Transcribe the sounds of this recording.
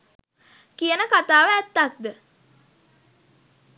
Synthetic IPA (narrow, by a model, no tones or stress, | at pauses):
kijənəkat̪aːʋəæt̪ːak̚d̪ə